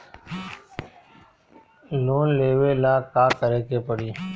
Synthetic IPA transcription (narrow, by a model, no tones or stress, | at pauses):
loːnleːʋeːlaːkaːkəɾeːkeːpəɽiː